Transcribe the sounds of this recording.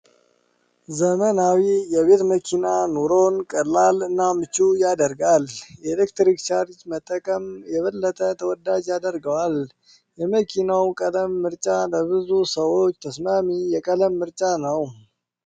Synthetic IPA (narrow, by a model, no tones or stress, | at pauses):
zəmənawijɛβe̞t̪məkʰinanoɾo̞nkʼəlːalɨnːamɨt͡ʃːujad̪əɾɡalɛlekt̪ɾikt͡ʃaɾt͡ʃmət̪ʼːəkʼəmjɛβəlːət̪ʼət̪ʰəwɔd̪ad͡ʒjad̪əɾɡəwal | jɛməkʰinawkʼələmːɨɾt͡ʃʼaləβɨzusəwo̞t͡ʃːt̪ʰəsmamijɛkʼələmːɨɾt͡ʃʼanəw